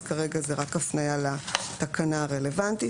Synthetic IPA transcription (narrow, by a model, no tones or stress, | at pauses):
kaʁe̞ɡazeʁakafnajalat̪akanaʁele̞vant̪i